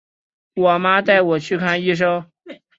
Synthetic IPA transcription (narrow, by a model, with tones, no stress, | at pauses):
wɔ˨˩ma˥t̪a˥˩ɪwɔ˨˩t͡ɕʰy˥˧kʰa˥˧ni˥ʂ̬o˥ʊ